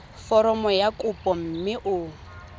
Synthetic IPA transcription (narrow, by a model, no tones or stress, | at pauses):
fɔɾɔmɔjakʼʊpʼɔm̩mɪʔʊ